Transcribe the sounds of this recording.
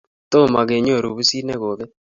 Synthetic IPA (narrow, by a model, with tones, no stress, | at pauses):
t̪o˦˨ma˨ɡe˨ɲo˦˨ɾu˨bu˦si˦ne˦ɣo˨ðe˦